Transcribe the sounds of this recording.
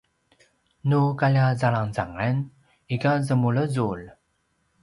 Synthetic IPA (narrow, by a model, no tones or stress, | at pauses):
nukalazalaŋzaŋən | ikazəmuləzul